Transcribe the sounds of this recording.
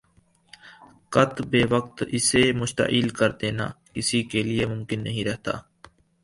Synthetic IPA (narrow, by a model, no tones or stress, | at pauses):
kət̪beːʋək̚t̪ɪsemʊʃt̪ə̰ʔiːlkəɾd̪eːna̰ːkɪsikeːlɪeːmʊmkɪnːəɦĩɾɛɦt̪a̰ː